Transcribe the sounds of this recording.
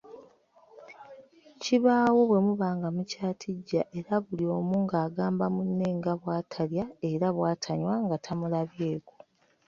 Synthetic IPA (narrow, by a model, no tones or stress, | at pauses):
ciβaːwo̞βwe̞muβaːŋɡamucaːtʰiɟːaʔe̞ɾaβulio̞ːmuːŋɡaːɡaːmbamunːe̞ːŋɡaβwaːtʰaljae̞ɾaβwaːtʰaɲwaŋɡatʰamulaβje̞ːko